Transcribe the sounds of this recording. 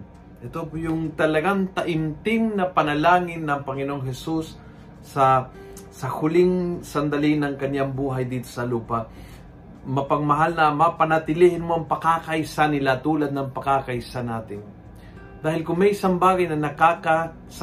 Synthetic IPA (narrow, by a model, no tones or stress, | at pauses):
ʔɛt̪opjʊŋt̪ɐlɐɡaŋt̪ɐʔɪmt̪ɪŋnɐpɐnɐlaːŋɪnːɐŋpɐŋɪnoŋɦɛsusː | ɐ | sɐhʊlɪŋsɐnd̪ɐlinɐŋkɐnjaŋbuːɦɐjd̪iːt̪o̞sɐluːpɐ | mɐpɐɡmɐɦalnɐmɐpɐnɐt̪ɪlihɪnmoʔɐŋpɐkakɐjsanɪlat̪uːlɐd̪̚nɐŋpɐkakɐjsanaːt̪ɪn | d̪aːhɪlkʊŋmɛjʔɪsambaːɡɐjnɐnɐkaka | s